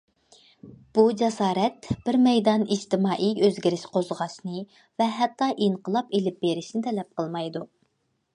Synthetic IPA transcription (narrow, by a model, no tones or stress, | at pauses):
b̥ud͡ʒɛsɑːɾɛt̪b̥ɪɾmɛjd̪ɑnid͡ʒt̪ɪmɑːʔiøzɡʲiɾɪʃqozʁɑʃnɨ | vɛɦɛt̪ːɑʔiɴqəlˠɑpelɪp̚beɾɪʃnɪt̪ʰɛlɛp̚qʰəlˠmɑjd̪u